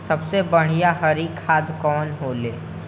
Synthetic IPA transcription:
sɐbsebɐɽ̤ijaɦɐɾikʰːaːd̪kɔːnɦoːleː

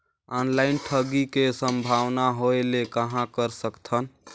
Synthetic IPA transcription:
ɔnlaɪnʈʰəɡikesəmbʱawnaɦoelekəɦãkəɾsəkt̪ʰən

